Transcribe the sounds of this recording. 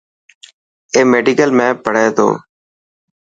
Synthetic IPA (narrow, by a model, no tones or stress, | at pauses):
eːmeːɖiːkəlmẽːpəɽ̤eːt̪ʰo̰ː